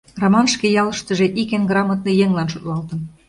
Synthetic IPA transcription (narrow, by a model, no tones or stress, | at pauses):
romɑnʃkejɑlə̆ʃt̪ə̆ʒĕʔikenɡrɑmɑt̪̚nɤ̆jeŋlɑnʃut̪lɑlt̪ə̆n